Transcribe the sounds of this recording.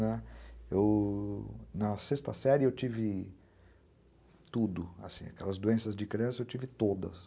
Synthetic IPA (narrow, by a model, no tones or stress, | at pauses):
nɛew | nɐsest̪ɐsɛɾɪewt͡ʃivɪ | t̪ud̪ʊa̰sĩa̰kɛlɐzd̪oẽsɐzd͡ʒɪkɾiɐ̃sɐewt͡ʃivɪt̪od̪ɐ̰s